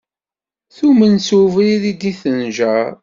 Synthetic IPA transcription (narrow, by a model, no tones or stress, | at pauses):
θumənsuvɾiðid̪iθənʒæɾ